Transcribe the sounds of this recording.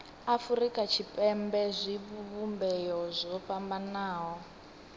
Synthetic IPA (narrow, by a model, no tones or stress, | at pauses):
afuɾikʼat͡ʃʰipʼɛmbɛzʷiβuβumbɛjɔzʷɔpambanaːɦɔ